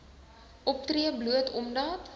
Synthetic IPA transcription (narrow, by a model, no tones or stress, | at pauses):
ʔɔp̚triəbluətʰɔmdɑːt